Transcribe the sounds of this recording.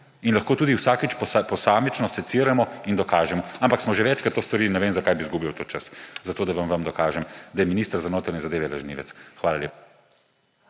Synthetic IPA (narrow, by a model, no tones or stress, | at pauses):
inlɐxkoːt̪uːd̪iwsaːkit͡ʃpapɔsaːmit͡ʃnɔsɛt̪siːɾamɔind̪ɔkaːʒɛmɔampaksmɔʒeʋɛt͡ʃkɾat̪ːoːst̪ɔɾiːlinɛʋeːmzakaːjbizɡubiwt̪ot͡ʃəszat̪oːd̪aʋamʋamd̪ɔkaːʒɛmd̪ajɛminiːst̪əɾzanoːt̪ɾanʲɛzad̪eːʋɛlɐʒnḭːʋɛ̰tsxʋaːlalʲjḛːpa